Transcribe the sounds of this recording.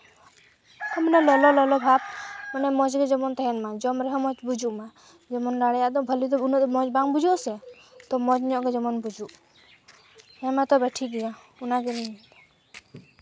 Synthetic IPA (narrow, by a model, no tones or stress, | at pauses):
ɔmənɛlɔlɔlɔlɔbʱab̚mənɛmɔd͡ʒɡɛd͡ʒɔmɔnt̪ɛɦɛnmad͡ʒɔmɾɛɦɔmɔd͡ʒbud͡ʒuʔma | d͡ʒɔmɔnɾaɽɛjaʔd̪ɔbʱəlid̪ɔnɔmɔd͡ʒbaŋbud͡ʒɔʔsɛ | t̪ɔmɔd͡ʒnɔʔɡɛd͡ʒɔmɔnbud͡ʒuʔ | hɛmat̪ɔbɛʈʰiɡɛja | unaɡɛniɲit̪ɔ